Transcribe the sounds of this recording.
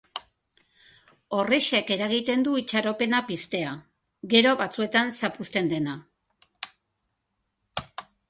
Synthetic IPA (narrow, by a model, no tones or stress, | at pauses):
o̞reʃeke̞ɾaɣit̪e̞nd̪uit͡ʃaɾo̞pe̞napist̪e̞a | ɣe̞ɾo̞βat͡sue̞t̪ansapust̪e̞nd̪e̞na